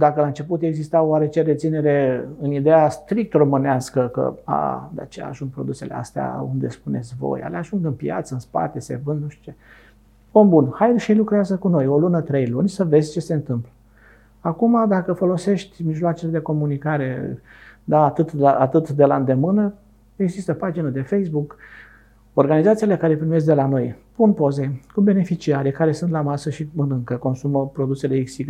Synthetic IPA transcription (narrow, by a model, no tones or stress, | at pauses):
d̪akəlaɨnt͡ʃe̞put̪e̞ɡzist̪aoaɾe̞t͡ʃe̞ɾe̞t̪sine̞ɾe̞ɨnid̪ejast̪ɾik̚t̪ro̞mɨneaskəkə̰a̰d̪a̰t͡ʃea̰ʒuŋɡ̚pɾo̞̰d̪use̞lḛa̰st̪ea̰ṵnd̪e̞spune̞t̪sʲvo̞̰ja̰leaʒuŋɡɨnpja̰t̪səɨnspa̰t̪e̞sḛvɨnd̪nuʃt̪i̥t͡ʃe | ombunhajʃejlukɾeazəkuno̞jo̞lunət̪ɾe̞jlunʲsəve̞dzʲt͡ʃe̞se̞nt̪ɨmplə | akumad̪akəfo̞lo̞se̞ʃt̪ʲmiʒloat͡ʃe̞le̞d̪e̞ko̞munikaɾe̞ | d̪aːt̪ɨt̪aat̪ɨt̪d̪e̞laɨnd̪e̞mɨnə | e̞ɡzist̪əpad͡ʒinəd̪e̞fejsbuk | o̞rɡanizat̪sile̞kaɾe̞pɾime̞s̬̚d̪e̞lano̞jpunpo̞ze̞kube̞ne̞fit͡ʃiaɾekaɾe̞sunt̪lamasəʃiɨnɨŋkəko̞nsuməpɾo̞d̪use̞le̞iksiɡ